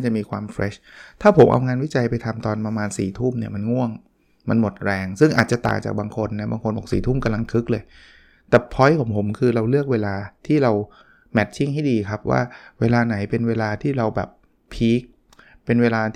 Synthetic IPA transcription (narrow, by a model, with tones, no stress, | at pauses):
na˥˩t͡ɕa˨˩ʔmiː˧kʰwaː˧mfɾɛ̰ː˦˥t̪ʰaː˥˩pʰo˩˦mʔa̰˧wŋaː˧nwi˦˥t͡ɕa˧jpa˧jt̪ʰa˧mt̪ɔː˧npɾa˧maː˧nsḭː˨˩t̪ʰuː˥˩mni˥˩ɐma˧nŋu˥˩əŋ | ma˧nmo˨˩t̪̚ɾɛː˧ŋsɯ˥˩ŋʔa̰ː˨˩t̪̚t͡ɕa˨˩t̪a̰ː˨˩ŋt͡ɕa̰ː˨˩baː˧ŋkʰo˧nːa˦˥baː˧ŋkʰo˧nbɔː˨˩sḭː˨˩t̪ʰuː˥˩mka˧mla˧ŋkʰɯ˦˥k̚lɤː˧j | t̪ɛː˨˩pʰɔ˧˦˥jkʰɔ˩˦mpʰo˩˦mkʰɯː˧ɾa˧wlɯ˥˩ək̚weː˧laː˧t̪ʰiː˥˩ɾa˧w | mɛ˦˥t̪̚t͡ɕʰi˥˩ŋha˥˩jdiː˧kʰa˦˥p̚wa̰ː˥˩weː˧laː˧na˩˦jpe˧nweː˧laː˧t̪ʰiː˥˩ɾa˧wbɛ̰ː˨˩p̚ʰ | iː˦˥k̚ | pe˧nweː˧laː˧